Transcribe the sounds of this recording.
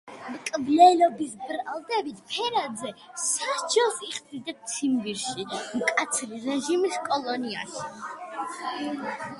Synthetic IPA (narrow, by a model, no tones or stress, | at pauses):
mkʼblɛlɔbisbɾalˠd̪ɛbit̪ʰpʰɛɾad̪zɛ | sad͡ʒɛlˠsiχd̪id̪ɛp̚t̪sʰimviɾʃimkʼat̪sʰliɾɛʒimiskʼɔlˠɔnia̰ʃi̥